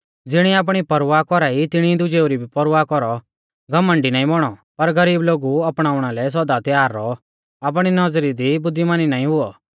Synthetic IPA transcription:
d͡zɪɽ̃iaːp̬ɽ̃ipɐɾʋakɔɾait̪ɪɽ̃id̪ʊd͡ʒeːuɾibʱipɐɾʊwakɔɾɔ | ɡɐmə̃ɳɖinaːĩbɔɽ̃ɔpɐɾɡɐɾiːbloːɡuɐpɽ̃aːʊɽ̃alɛs̬ɔd̪at̪jaːɾːɔ | ap̬ɽ̃inɐd͡zɾid̪ibʊd̪ːimaːninaːĩɦʊɔ

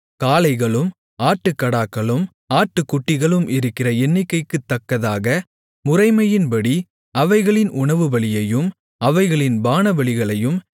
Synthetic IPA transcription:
kaːlɐɪɣɐɭɯm | aːʈːɯkːɐɽaːkːɐɭɯm | aːʈːɯkːʊʈːɪɣɐɭɯmʔɪɾɯkːɪrɐɛnːɪkːɐɪkːɯt̪ːɐkːɐðaːɣɐ | mʊrɐɪmɐjɪnpɐɽi | ɐʋɐɪɣɐɭɪnʔʊɳɐʋɯʋɐɭɪjɐjɯm | ɐʋɐɪɣɐɭɪnbaːnɐʋɐɭɪɣɐɭɐjɯm

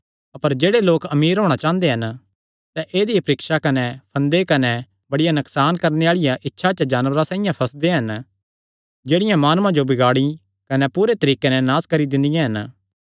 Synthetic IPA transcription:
ɐpəɾd͡ʒeːɽeloːkɐmiːɾɦoːɽ̃at͡ʃãːə̃nd̪eɦɐn | sɛʔeːd̪ijpɐɾɪkʃakɐnɛpʰɐ̃nd̪ekɐnɛ | bɐɽɪjanɐksaːnkɐɾneaːɭɪjãʔɪtːʃʰat͡ʃəd͡ʒaːnʋəɾasãːɪ̃jãpʰɐsd̪eɦɐn | d͡ʒeːɽɪjãmaːnmãd͡ʒobɪɡaːɽi | kɐnɛpuːɾet̪ɐɾiːkenɛ̃naːskɐɾid̪ɪ̃nd̪ɪjãɦɐn

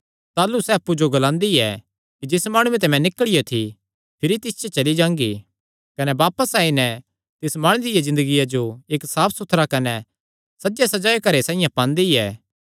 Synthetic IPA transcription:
t̪aːlusɛːɐpːud͡ʒoɡɐlãːnd̪iɛ | kid͡ʒɪsmaːɽ̃ũẽt̪̬ɛmɛ̃nɪkəɭijot̪ʰi | pʰɪɾit̪ɪst͡ʃʰɛt͡ʃɐlid͡ʒãːŋɡi | kɐnɛbaːpəsaːinɛ | t̪ɪsmaːɽ̃ɪd̪ɪjazɪ̃nd̪əɡijad͡ʒoeːksaːpʰsʊt̪ʰːɾakɐnɛ | sɐd͡ʒesɐd͡ʒaːekɐɾesãːĩjãpãːnd̪iɛː

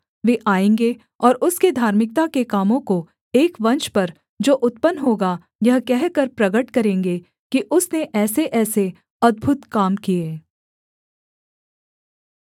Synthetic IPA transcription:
ʋeːʔaːẽːŋɡe | ɔːɾʊsked̪ʱaːɾmɪk̚t̪akekaːmõko | eːkʋɐ̃nʃpɐɾ | d͡ʒoːʔʊt̪pənːɦoːɡa | jɐɦkɛɦkɐɾpɾɐɡəʈkɐɾẽːŋɡe | kiʔʊsneʔɛːseʔɛːse | ɐd̪̚bʱʊt̪kaːmkieː

